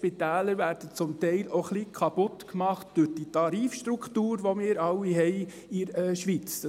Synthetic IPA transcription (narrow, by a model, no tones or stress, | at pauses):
pit̪æːləɾvæɾd̥ət͡sʊmtɛɪloχlikʰɑpʊtkmɑχtd̥ʊd̥itɑɾiːfʃtɾukχtuːɾʋɔmɪːɾɑlːiɦɛɪ | ɪɾɛʃʋit͡sd̥ɑ